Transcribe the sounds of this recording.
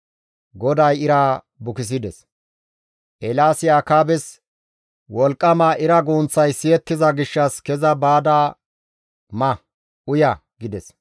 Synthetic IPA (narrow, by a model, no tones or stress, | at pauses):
ɡɔd̪ɐjɪɾa | bʊkɪs̬ɪd̪ɛs | ʔɛlaːsɪjaːkaːbɛs | wɔlkʼːɐmaːʔɪɾɐɡuːnt͡sːɐjsɪjɛt̪ːɪzɐɡɪʃːɐskɛzɐbaːd̪aː | mɐ | ʊjɐɡɪd̪ɛs